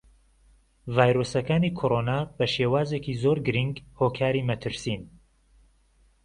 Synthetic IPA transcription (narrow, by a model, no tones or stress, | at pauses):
vaːjɾoːsɐkaːniːkʰoːɾoːnaːb̥ɐʃeːwaːzekizoːɾɡɨɾiŋɡhoːkʰaːɾimɐt̪ʰɨɾsiːn